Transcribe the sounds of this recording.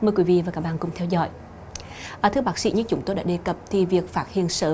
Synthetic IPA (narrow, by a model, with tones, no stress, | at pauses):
məː˧jkwi˨˦vḭ˧˨vaː˨˩kaː˦˥k̚ɓaː˧˨kʊ˨˩ŋ͡mt̪ʰɛ˧wzɔ̰˧˥j | ʔəː˨˩t̪ɨ˨˧˥ɓaː˦˥k̚sḭ˧˥ɲɨ̰˧˥t͡ɕʊ˨˦ŋ͡mt̪o˧jɗa̰ː˧˥ɗe˧˩kə˨˩p̚t̪ʰi˨˩vi˨˩ək̚faː˦˥t̚hḭ˧˨ənsəː˧˦